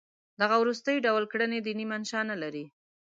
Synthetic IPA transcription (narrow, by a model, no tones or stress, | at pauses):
d̪aɣawɾust̪əjɖawlkɽəned̪inimanʃɑnalaɾi